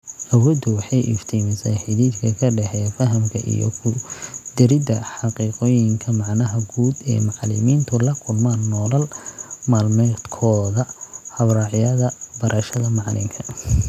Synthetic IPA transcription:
ʔɐwɔːd̪ʊwɑħɑjʔɪ̰ft̪ʰiːmɪsɛjħɪðiːd̪kʰɐkʰɐɖɛħɛfɐɦɐmkʰɐ̰ʔḭjɔ̰kʰʊd̪̥ɪɾɪd̪ɐħɑqiːqɔːjɪŋkʰɐmɑʕnɐɦɐɡuːd̪ɛ̰ːmɑʕlɪ̰miːnt̪ʰʊlɐkʰʊlmaːnːɔːlɐlmaːlmɛt̪kʰɔːðɐhɐβrɑːʕɪjɐðɐbɐɾʔɐʃɐðɐmɑʕlɪ̰ŋkʰɐ̥

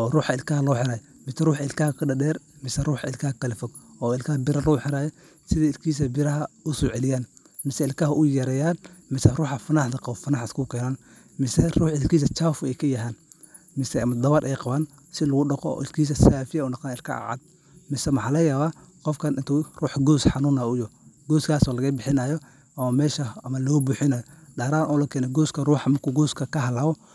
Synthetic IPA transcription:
ʔɔːruːħɑɪlkʰɐhɐlɔːħɪɾaːjɔ | mɪsɛruːħɑɪlkaːkʰɐɖɐdɛːrmɪsɛruːħɑɪlkʰɐhkɐlɪfɔɡ | ʔɔːɪlkʰɐbɪɾɐlɔːħɪɾaːjɔ | sɪðɛɪlkʰiːs̬ɐbɪɾɐɦɐʊsɔʕɛlɪjaːn | mɪsɛɪlkɐɦɐʔʊjɛɾɛːjaːnmɪsɛruːħɑfɐnaːħd̪ɐqɑʊfɐnaːħɪskʰukʰɛːnɔːn | mɪsɛruːħɪlkiːs̬ɐt͡ʃaːfʊɛjkʰɐjɐɦaːn | mɪsɛɐmɐd̪ɐβɐɾʔɛjqɑβaːn | sɪlɐɣʊɖɐqɔ̰ʔɪlkʰiːs̬ɐsaːfɪjɐʊnɐq̪aːnɪlkʰɐ̰ʕɑ̰d̪̚ | mɪsɛmɐħɑːlɐjaːβaː | qɔfkʰɐnʔɪnt̪ʰʊruːħɡɔːsħɑnuːnaʊjɔɡ̥ɔːskʰaːsɔːlɐɣɐbɪħɪnaːjɔ | ʔɐmɐmɛːʃɐɐmɐlɔːbuːħɪnaːjɔɗaːɾaːnʔɔːlɐkʰɛːnɔɡɔːskʰɐruːħɑmɐrkʰuɡɔːskʰɐkɐɦɐlaːwɔ

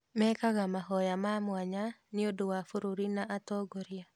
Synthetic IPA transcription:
mɛkaɣamaɦɔjamamwaɲanɪodowafoɾoɾinaʔatɔɡoɾja

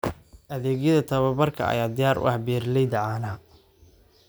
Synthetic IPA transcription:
ʔɐðɛːɡjɐðɐt̪ʰɐβɐbɐrkʰɐ̰ɐ̰jaːd̪ɪjaːɾʔʊ̰ʔɐhbɛːrlɛjd̪ɐʕaːnɐ

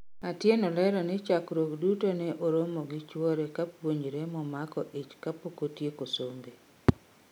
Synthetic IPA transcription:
atjenɔlɛɾɔnɪt͡ʃakɾokdutonɛʔoɾomoɡɪt͡ʃwɔɾekapwoɲd͡ʒɾemɔmakɔʔet͡ʃkapokotjekosombe

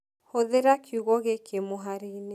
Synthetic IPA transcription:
hoðeɾakʰjuɣɔɣekʰemoɦaɾeine

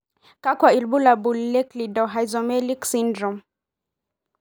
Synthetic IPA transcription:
kakwailbulabulːɛklidɔɦajzɔmɛliksindɾɔm

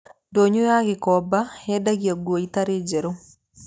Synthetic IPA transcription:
doɲojaɡɪkɔbaɛdaɡiaɡwoit̪aɾed͡ʒeɾo

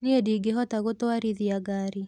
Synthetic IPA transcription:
niediɡeɦɔtaɣotwaɾiðiaɡaːɾi

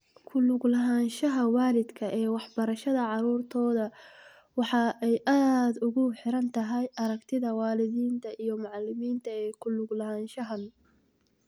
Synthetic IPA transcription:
kʰʊlʊɡlɐɦaːnʃɐɦɐwaːlɪd̪kʰɐʔɛːwɑħbɐɾɐʃɐðɐʕɑɾuːrt̪ʰɔːðɐ | wɑħɑɛjʔaːd̪ʊɣʊħɪɾɐnt̪ʰɐɦɛjʔɐɾɐɡt̪ʰɪðɐwɑːlɪðiːnt̪ʰɐʔijɞmʊʕɑlːɪmiːnt̪ʰɐɛːkʰʊlʊɡlɐɦaːnʃɐɦɐn

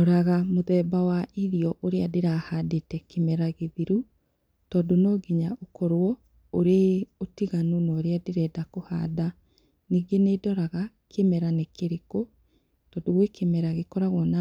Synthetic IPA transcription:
ɔɾaɣamoðɛːbawaʔiɾiɔʔoɾeadeɾahadetɛkemɛɾaɣeðiɾu | tɔːdonoːɡiɲaʔokɔɾwɔ | oɾeotiɣanunɔɾeadeɾɛːdakoha̰ːda | niːɡenedɔɾaɣa | kʰemɛɾanekeɾeko | tɔːndoɣwekemɛɾaɣekɔɾaɣɔna

